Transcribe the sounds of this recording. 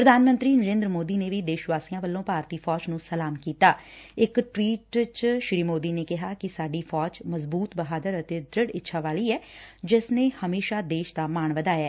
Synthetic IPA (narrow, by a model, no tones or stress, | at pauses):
pɾəd̪ʱaːnmə̃nt̪ɾiːnəɾẽːnd̪ɾmoːd̪iːneːʋiːd̪eːʃʋaːsiːãːʋəlːõːpaːɾt̪iːpʰɔːd͡ʒnũːsəlaːmkiːt̪aːɪkʈʋiːʈt͡ʃʃɾiːmoːd̪iːneːkɪɦaːkɪsaːɖiːpʰɔːd͡ʒməzbuːt̪bəɦaːd̪əɾət̪eːd̪ɾɪɽɪtːʃʰaːʋaːɭiːɛːd͡ʒɪsneːhəmeːʃaːd̪eːʃd̪aːmaːɳʋəd̪aːjɛː